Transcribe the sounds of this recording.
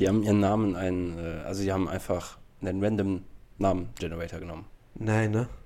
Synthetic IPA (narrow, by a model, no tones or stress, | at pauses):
z̥iːhaːbm̩iːʁənːaːmənaɪnənʔɛːʔa̰lzoziːhaːbm̩ʔa̰ɪnfaχnanʁɛndəmnaːmənd͡ʒɛnəʁɛtɐɡənɔ̰mən | naɪnə